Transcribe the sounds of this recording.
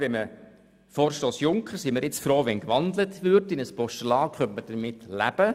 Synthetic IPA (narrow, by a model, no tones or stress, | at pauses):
vɛmə | fɔːɾʃtoːsjʊŋkʰχəɾsimɪɾjɪt͡sfɾoːʋɛnkʋɑnd̪lətʋʏrtɪnəspɔʃtəlɑːχœntməd̥əɾmɪtlæ̰b̥ə